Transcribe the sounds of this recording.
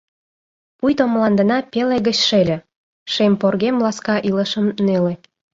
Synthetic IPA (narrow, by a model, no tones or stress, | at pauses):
pujt̪omlɑnd̪ə̆nɑpeleɣət͡ɕʃelʲĕ | ʃemporɣemlɑskɑʔiləʃəmnele